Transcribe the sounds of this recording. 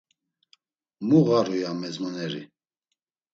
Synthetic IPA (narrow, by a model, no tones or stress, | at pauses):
muɣaɾujamɛzmanɛɾḭ